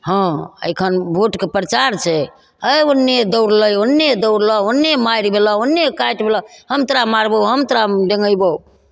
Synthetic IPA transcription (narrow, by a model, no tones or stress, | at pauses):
hɔ̃ə̰jkʰənbʱoʈkepɾət͡ʃaɾt͡ʃʰɛ | əjonːed̪əwɾləjonːed̪əwɾlɔonːemajɾibʱelɔonːekajʈbʱelɔhəmt̪əɾamaɾbəɦəmt̪ɾaɖəŋɡəjbəu